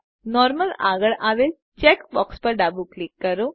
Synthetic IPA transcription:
nɔɾməla̰ɡəɭʔaʋel | t͡ɕekbɔkspəɾɖabuklikːəɾo

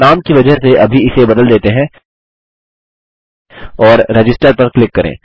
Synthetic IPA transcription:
aːmkiʋɐd͡ʒəɦseʔɐbʱiɪsebɐd̪əld̪eːt̪eɦɛ̃ | ɔːɾːɛd͡ʒɪsʈəɾpɐɾklɪkːɐɾḛ̃ː

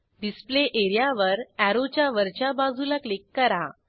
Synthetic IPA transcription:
ɖispleʔeɾjaʋəɾæɾot͡ɕjaʋəɾt͡ɕjabad͡zʱulaklikːəɾa

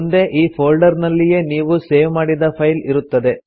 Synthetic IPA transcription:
nd̪e̞ʔiːpʰoːlɖɐɾnɐlːije̞niːʋuse̞ːʋmaːɽid̪ɐpʰɐjliɾut̪ːɐd̪e̞

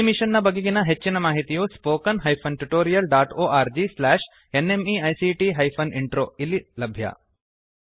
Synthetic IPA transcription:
imiʂɐnːɐbɐɡeɡinɐɦet͡ʃːinɐmaːɦit̪ijuspoːkɐnɦɐjpʰɐnʈuʈoːɾijɐlɖaːʈoːʔaːɾd͡ʒislaːʂ | enemiːɐjsiːʈiːɦɐjpʰɐniɳʈɾoːilːilɐbʱjɐ̰

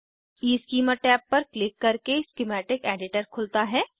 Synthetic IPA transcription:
iːskiːməʈɛːpːɐɾklɪkːɐɾkeskɪmɛːʈɪkɛːɖɪʈəɾkʰʊlt̪aɦɛː

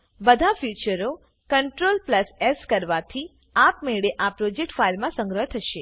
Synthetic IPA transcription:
bəd̪ʱafjut͡ʃəɾo | kəɳʈɾolpləseskəɾʋat̪ʰi | apmeɭeʔapɾod͡ʒek̚ʈfailmãsə̃ŋɡɾəɦət̪ʰəʃe

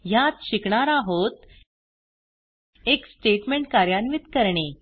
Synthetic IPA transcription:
jat̪ɕikɳaɾaɦot̪ | eksʈeʈmeɳʈkaɾjanʋit̪kəɾɳe

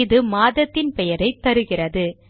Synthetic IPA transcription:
ðɯmaːðɐt̪ːɪnpɛjɐɾɐɪt̪ːɐɾɯɣɪrɐðɯ

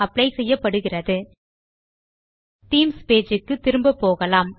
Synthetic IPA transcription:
ɐpːɽɐɪsɛjːɐpːɐɽɯɣɪrɐðɯ | t̪iːmspeːd͡ʒɯkːɯt̪ːɪɾɯmbɐpːoːɣɐlaːm

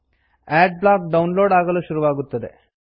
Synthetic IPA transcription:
ɛːɖ̚blaːk̚ɖɐwnloːɖaːɡɐluʃuɾuʋaːɡut̪ːɐd̪ḛ

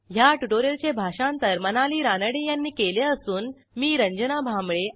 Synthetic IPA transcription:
ɦjaʈuʈoɾjəlt͡ɕebʱaɕãnt̪əɾmənaliːɾanəɽijanːiːkeleəsuːn | miːɾəɲd͡ʑənabʱamɭe

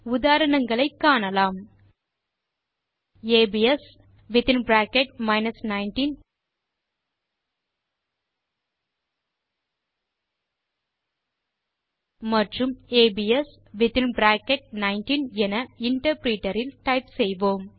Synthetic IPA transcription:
ʊðaːɾɐɳɐŋɡɐɭɐɪkːaːɳɐlaːm | eːbiɛs | ʋɪt̪ɪnbɾaːkɛʈ̚mɐɪnɐsnaɪnʈin | mɐʈrɯmeːbiɛs | ʋɪt̪ɪnbɾaːkɛʈ̚nɐɪnʈinɛnɐɪɳʈɐɾpɾiːʈɐɾɪlʈɐɪpsɛjʋoːm

